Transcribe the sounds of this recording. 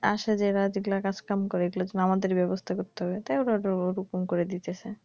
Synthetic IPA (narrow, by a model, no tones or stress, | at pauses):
a̰ʃed͡ʑeɾad͡ʑiɡlakat͡ɕʰkamkoɾeeɡlad͡ʑenoamad̪eɾbɛbost̪ʰakoɾt̪eɦɔbet̪ajoɾaɾaɾukumkoɾed̪it̪et͡ɕʰe